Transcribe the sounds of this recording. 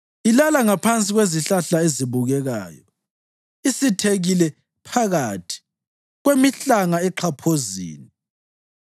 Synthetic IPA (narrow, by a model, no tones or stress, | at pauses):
ilalaŋapʰant͡sʼiɣweziɬaɬaeziβuɣɛɣa̰ːjɔ | isitʰeɣilɛ | pʰaɣatʰi̥ | ɣwemiɬaŋaɛǃʰapʰozḭːni